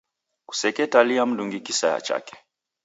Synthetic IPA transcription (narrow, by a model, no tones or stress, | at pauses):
ku̥sɛkɛtaliam̩ɗuŋɡikisaja̰t͡ʃa̰kɛ̥